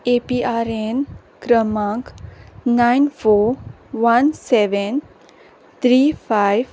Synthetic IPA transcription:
epiːaːɾen | kɾəmãːŋknaɪnfoːɾ | ʋɐnseʋen | t̪ʰɾiːpʰaːɪʋ

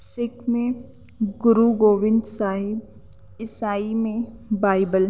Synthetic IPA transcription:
sɪkmẽ | ɡʊɾuɡoːʋɪ̃nd̪saːɦɪb | ɪsaːimẽ | baːɪbəl

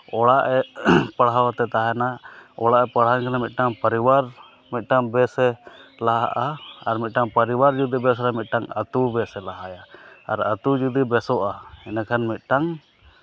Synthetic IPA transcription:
ɔɽaʔɛpaɽawat̪ɛt̪aɦɛnaɔɽaʔɛpaɽ̤ɦankʰanamit̪̚ˀʈaŋpəɾiwaɾ | mit̪̚ˀʈaŋbɛsɛlaɦaʔaaɾmit̪̚ʈaŋpəɾiwaɾd͡ʒud̪ibɛsɾamit̪̚ˀʈaŋə̰t̪ubɛsɛlaɦajaa̰ɾət̪ud͡ʒud̪ibɛsɔʔaɛnakʰanmit̪̚ˀʈaŋ

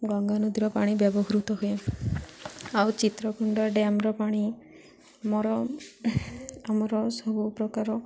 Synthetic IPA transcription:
ɡɔŋɡanud̪ʱiɾɔpaɽ̃ibjɔbɔɡɾut̪ɔɦuja | awt͡ʃit̪ɾɔkʰuɳɖaɾɖeamɔɾɔpaɽ̃i | mɔɾɔ | amɔɾɔsɔbupɾɔkaɾɔ

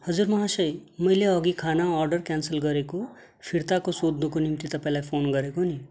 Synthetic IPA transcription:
hʌd͡ʒuɾmʌɦãsəjmʌjleʌɡikʰanaɔɾɖʌɾkɛnsəlɡʌɾeko | pʰiɾt̪akosod̪nukonimt̪it̪ʌpɛlapʰonɡʌɾekoni

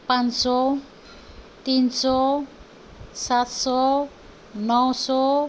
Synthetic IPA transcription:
panso | t̪inso | saso | nɔso

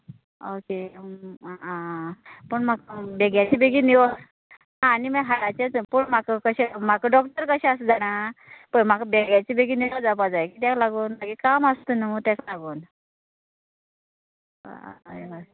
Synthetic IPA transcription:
oke | ãpəɳm̤akbeɡjat͡ɕibeɡiniʋod͡z | ɦãːnimaɦaɽat͡ɕẽt͡spəɳmakəkəɕɛmakəɖɔk̚ʈəɾkəɕɛ̃asd͡zaɽ̃apəm̤akbeɡjat͡ɕibeɡiːniʋad͡zapad͡zajekiːt̪jaklaɡuːnmaɡikamast̪unəmut̪ãklaɡuːn | eʋa

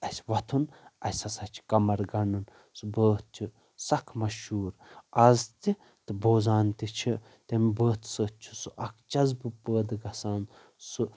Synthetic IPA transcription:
ɐsʲʋɐt̪ʰun | ɐ̰sʲɐsɐt͡ʃʰi̥kɐmɐɾɡɐnɨn | sɨbəːt̪̚t͡ʃʲʰi | sɐkʰmɐʃhuːɾɐzt̪i | t̪ɨboːzaːnt̪it͡ʃʰi | t̪ʲɐmbəːt̪ʰsət̪̚t͡ʃʰu̥suʔɐkʰt͡ʃɐzbɨpəːd̪ɡɐsaːn | su

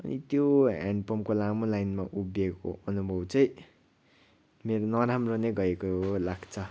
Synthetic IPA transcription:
ʌ̰nḭt̪joɦa̰ɳpʌmkolamolajnmaʔubjeko̰ʌnubʱʌwt͡sʌj̃ | meɾonʌɾamroneɡʌekoɦolaɡt͡sʰʌ

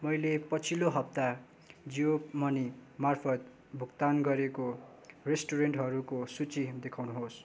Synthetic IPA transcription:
mʌjlepʌt͡sʰiloɦʌp̚t̪a | d͡zijomʌnimarpʰʌt̪̚ | bʱukt̪anɡʌɾeko | resʈoɾeɳʈɦʌɾukosut͡sid̪ekʰawnuɦos

